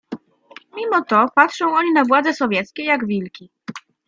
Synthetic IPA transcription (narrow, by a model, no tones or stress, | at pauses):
mʲimɔt̪ɔpatʂɔ̃w̃ɔɲinavwad̪zɛsɔvʲjɛt̪skʲɛjaɡvʲilkʲi